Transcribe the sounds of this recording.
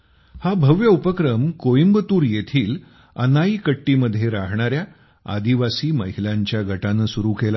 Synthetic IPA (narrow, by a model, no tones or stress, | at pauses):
habʱəʋjəupəkɾəmkojimbət̪uːɾjet̪ʰiːl | ə̰naiːkəʈːiːməd̪ʱːjeɾaɦɳ̃aɾja | a̰d̪iʋasiːməɦilaɲt͡ɕjaɡʱəʈanəsuɾuːkela